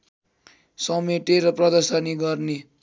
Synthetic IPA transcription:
sʌmeʈ̪eɾʌprʌd̪ʌrsʌniɡʌrne

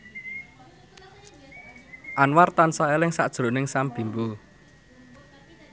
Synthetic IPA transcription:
ʔanwart̪ansaelɪŋsa̰ʔd̥ʒ̥ɾo̤nɪŋsamb̥i̤mbu

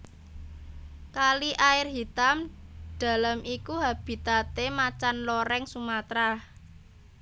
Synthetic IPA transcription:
kaliʔaɪrɦit̪amd̥a̤lamikuɦab̥i̤t̪at̪emat͡ʃanloɾɛŋsumat̪ɾa

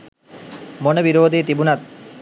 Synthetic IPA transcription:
monəbiɾoːd̪ʱit̪ibunat̪̚

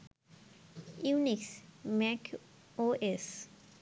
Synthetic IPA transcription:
uniksmɛkʰ | oʔes

